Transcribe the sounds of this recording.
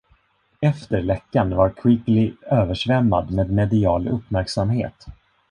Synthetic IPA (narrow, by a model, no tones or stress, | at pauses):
ɛft̪əɾɭɛkːanvaɾkʰwɪɡlɪøːvəʂvɛmːad̪meːd̪mɛd̪ɪɑːlɵpːmæɾksamhḛːt̪